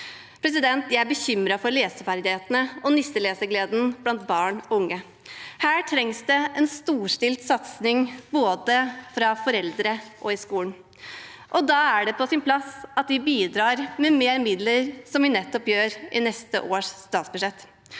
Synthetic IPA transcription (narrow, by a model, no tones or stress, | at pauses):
pʰɾɛs̬ɪd̪ɛnt̪jæɪæbəçʏmɾɑfɔɾleːsəfæɾd̪ɪheːt̪nəɔnɪst̪əleːsəɡleːd̪n̩b̥lɑnt̪̚bɑːɳɔʊŋːə | hæːʈʰɾɛŋsd̪ɛɛnst̪uːʂʈɪlt̪sɑt̪snɪŋboːd̪əfɾɑfɔɾɛld̪ɾəʔɔɪskuːln̩ | ʔɔd̪ɑæɖɛpɔsɪnpʰlɑsɑt̪̚d̪ɪbiːd̪ɾɑːɾmɛmeːɾmɪd̪ləɾsɔmʋɪnɛt̪ːɔpjøːɾɪnɛst̪ə̰ʔoːʂst̪ɑːt̪sbʉʂɛt̪ː